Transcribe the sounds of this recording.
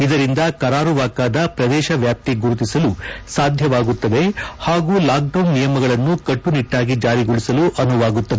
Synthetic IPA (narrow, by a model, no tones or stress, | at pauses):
id̪ɐɾind̪ɐkɐɾaːɾuʋaːkaːd̪ɐpɾɐd̪ɛːʃɐʋjaːp̚t̪iɡuɾut̪isɐlusaːd̪ʱjɐʋaːɡut̪ːɐd̪e̞haːɡuːlaːk̚ɖɐwnːijɐmɐɡɐɭɐnːukɐʈːuniʈːaːɡid͡ʒaːɾiɡuɭisɐluʔɐnuʋaːɡut̪ːɐd̪e